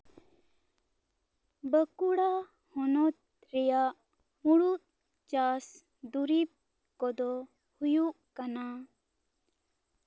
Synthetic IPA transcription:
bəkuɽa | hɔnɔt̪̚ | ɾɛjaʔ | muɽut̪̚ | t͡ʃas | d̪uɾip̚ | kɔd̪ɔ | hujuʔkana

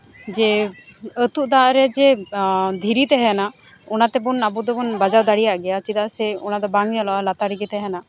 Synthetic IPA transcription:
d͡ʒɛ | ət̪uʔd̪aʔɾɛd͡ʒɛd̪ʱiɾit̪ɛɦɛna | ɔnat̪ɛbunabɔd̪ɔbɔnbad͡ʒawd̪aɽijaʔɡɛjat͡ʃit̪aʔsɛɔ̰nad̪ɔbaŋnalɔalat̪aɾiɡɛt̪ɛɦɛna

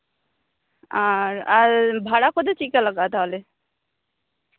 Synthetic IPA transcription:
aɾaɾbʱaɽakod̪et͡ʃikaləɡat̪aɦle

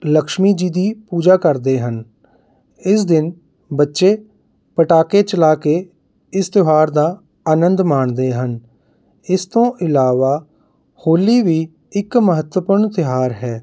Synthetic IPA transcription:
ləkʃmiːd͡ʒiːd̪iːpuːd͡ʒaːkəɾd̪eːɦən | ɪsd̪ɪn | bətːʃeː | pəʈaːkeːt͡ʃəlaːkeː | ɪst̪ɪɦaːɾd̪aː | aːnənd̪maːɳd̪eːɦən | ɪst̪õːʔɪlaːʋaː | hoːliːʋiː | ɪkməɦət̪wəpuɾɳt̪ɪɦaːɾɦɛː

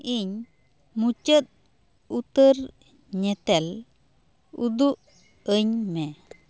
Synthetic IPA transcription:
iɲ | mut͡ʃət̪̚ | ut̪əɾ | ɲɛt̪ɛl | ṵd̪uʔ | əɲmɛ

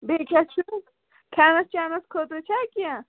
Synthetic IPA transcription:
beːkʲat͡ʃʰu | kʰaːnɐst͡ʃaːnɐskʰot̪ot͡ʃʰaːkʲija

